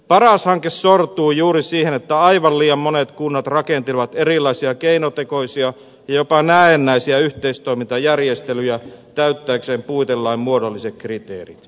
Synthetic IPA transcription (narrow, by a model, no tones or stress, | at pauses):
pɑrɑshɑŋkesːort̪uːjuːɾisiːhenet̪ːæɑiʋɑlliːjɑmmonet̪kunːɑt̪rɑkent̪ilʋɑt̪erilːˑɑisiɑkeinot̪ekoisiɑ | jɑjopɑnæːenːæisiæyht̪eist̪oimint̪ɑjærjest̪elyjæt̪æyt̪ːæːkseːmpuit̪elːɑimmuodolːisek̪̚krit̪ḛːrit̪